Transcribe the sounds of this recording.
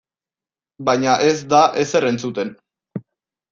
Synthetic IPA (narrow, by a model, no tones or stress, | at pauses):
bajɲaʔe̞zd̪aʔese̞re̞nt͡sut̪e̞n